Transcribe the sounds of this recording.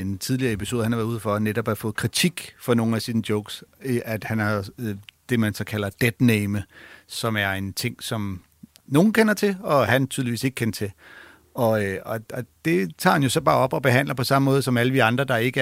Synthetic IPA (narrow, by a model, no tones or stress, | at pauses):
ent͡sʰið̞ˠliɐːe̝pʰiso̝ːðˠhænhɑʋæɐðˠuð̰ˠfɒneɾ̥ɒ̽b̥hæɐfɔ̽ːð̩ˠkʰʁit͡sʰiɡ̥fɒ̽no̝ːn̩æsinəd̥joʊɡ̥sʔæd̥hænhɑ̈d̥e̝mænsɒkʰæl̰ɐd̥ed̥neɪməsɒ̽mæɐe̝nt͡sʰe̝ŋ̰sɒ̽m | no̝ːn̩kʰenɐt͡sʰe̝lɒ̽hænt͡sʰyðˠliʋḭːse̝ɡ̥ə̥kʰenɐt͡sʰe̝l | ɒ̽ɒ̽ɒ̽d̥e̝t͡sʰɑ̰̈ːhænjo̝sɒ̽b̥ɑ̈ːɒ̽b̥ɒ̽b̥e̝ɦæn̰lɐpʰɒ̽sɑ̈məmɔ̽ːð̞̩ˠsɒ̽mæləd̥iɑ̈nd̥ʁɐd̥ɑ̈e̝ɡ̥ə